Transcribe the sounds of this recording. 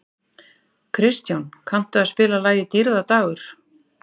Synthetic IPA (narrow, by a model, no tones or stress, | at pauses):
kʰɾɪst̪jawnkʰam̥t̪ʏaðspɪːlalaːjɣɪt̪iɾðat̪aːɣʏɾ̥